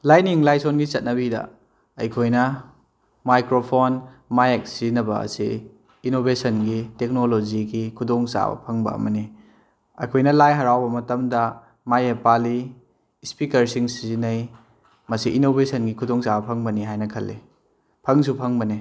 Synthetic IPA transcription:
lajniŋlajsonɡit͡ʃɐt̚nɐβidɐ̰ | ɐ̰jkʰojnɐ | majkɾopʰonmajek̚sizinɐbɐɐ̰siː | nobesɐnɡitek̚nolod͡ʒiɡikʰudɔŋsa̰bɐ̰pʰɐŋbɐ̰ɐ̰mɐni | ɐ̰jkʰojnɐlajɦɐɾawbɐmɐtɐmdɐ | majepali | spikɐɾsiŋsizinɐj | mɐsiʔinobesɐnɡikʰudɔŋsabɐpʰɐŋbɐniɦajnɐkʰɐlːḛ | pʰɐŋsupʰɐŋbɐni

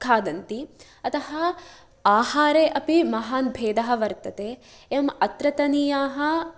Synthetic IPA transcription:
kʰaːd̪ɐnt̪i | ɐt̪ɐɦɐ | aːhaːɾeːʔɐpimɐɦaːnbʱeːd̪ɐɦɐ̆ʋɐɾt̪ɐt̪eː | emɐt̪ɾɐt̪ɐniːjaːɦɐ

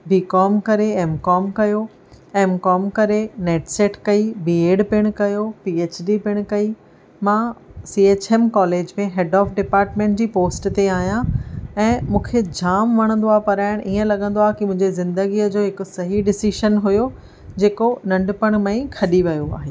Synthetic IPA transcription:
biːkɔːmkɐɾeɛːmkɔːmkɐjo | eːmkɔːmkɐɾeneːʈseːʈʰkɐibiːeːɖpɪɽ̃kɐjopieːt͡ɕɖipɪɽ̃kɐi | mãːsiːeːt͡ɕeːmkɔːleːd͡ʑmẽɦɛːɖɔːfɖɪpaːɾʈmẽːɳʈd͡ʑiːpoːsʈt̪eaːɦijãɛ̃ːmũːkʰed͡ʑaːmʋɐɽ̃ə̃nd̪oaːɦpɐɾaːɪɽ̃ʔiːə̃lɐɠə̃n̆d̪oaːɦkimʊ̃ɦɪ̃ɲd͡ʑezɪ̃nd̪əɡiːəd͡ʑoːɦɪkʊ̆sɐɦiɖɪsiːʃənɦujo | d͡ʑeːkonɐ̃ɳɖpəɽ̃mẽːĩkʰɐɗiʋɐjoa̰ːɦeː

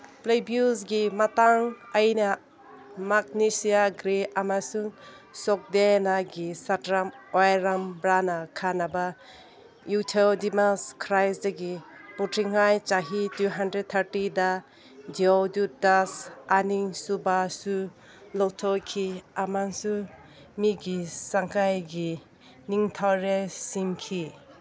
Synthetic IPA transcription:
plejbjusɡimataŋɐjna | mak̚nisijaɡɾeamasuŋ | sɔk̚denaɡisatɾamojɾambɾanakʰanaba | jutʰaldimaskʰɾajsdaɡiputɾiŋajt͡ʃaɦituɦandɾed̚t̪ʰaɾtida | d͡ʒiodudasaniŋsubasu | lɔwtʰɔkʰiamansu | miɡisaŋkajɡi | niŋtʰawɾesiŋkʰi

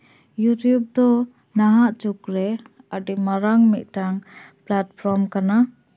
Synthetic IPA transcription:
jutjub̚d̪ɔ | naɦaʔt͡ʃukɾɛ | aɖimaɾaŋmiʔ̪̚ˀʈaŋplat̚pʰɾɔmkana

